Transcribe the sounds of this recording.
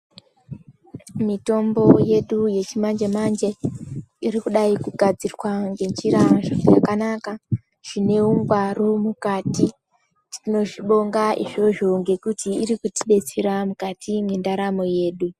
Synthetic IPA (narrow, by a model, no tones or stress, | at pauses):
mito̞mbo̞je̞ɗuje̞t͡ʃimand͡ʒe̞mand͡ʒe̞ | irikuɗaikuɡʱad͡zirwaŋɡe̞nd͡ʒiɾaʐajakanaka | ʐ̥ine̞uŋɡwaromukati | tino̞ʐiɓo̞ŋɡaiʐo̞ʒo̞ŋɡe̞kutiːɾikuti̥ɓe̞t͡seɾamukatʰimendaɾamo̞je̞ːɗu